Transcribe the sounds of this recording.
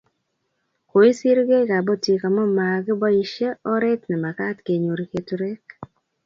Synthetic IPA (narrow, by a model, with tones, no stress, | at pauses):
ko˨i˦si˦ɾɡe˦ka˨bɔ˦ti˨ka˨mɔ˦ma˨ɡbɔ˦i˦ʃe˦ɔ˦ɾɛ˦t̪nɛ˨ma˨ka˦tke˨ɲo˨ɾi˨ke˨tɾe˦k̚